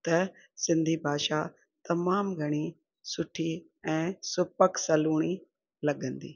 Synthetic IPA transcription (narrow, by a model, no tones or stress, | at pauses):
t̪ɐ | sɪ̃nd̪ʱibʱaːʃa | t̪ɐmaːmɡʱɐɽ̃i | sʊʈʰi | ɛ̃ːsʊpəksɐluːɽ̃i | lɐɠə̃nd̪ḭː